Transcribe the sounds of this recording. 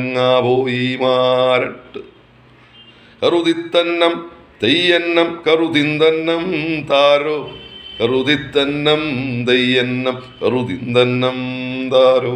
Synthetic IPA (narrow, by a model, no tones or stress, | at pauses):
ŋːaːboːjimaːɾɐʈːɨ | kɐɾud̪it̪ːɐnːɐm | t̪ɐjjɐnːɐmkɐɾut̪ind̪ɐnːɐmt̪aːɾokɐɾud̪id̪ːɐnːɐmd̪ɐjːɐnːɐmkɐɾut̪ind̪ɐnːɐmt̪aːɾo